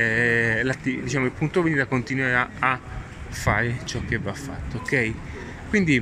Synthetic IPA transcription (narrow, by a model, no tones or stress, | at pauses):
lat̪ːid̪it͡ʃaːmoilpunt̪oveniːɾakont̪inwaɾaa | fːaːɾet͡ʃɔk̟ːebafːa̰t̪ːookːɛj | kwind̪i